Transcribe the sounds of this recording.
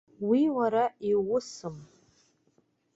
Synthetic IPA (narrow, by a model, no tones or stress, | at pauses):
wiwaɾaiwʊsɨm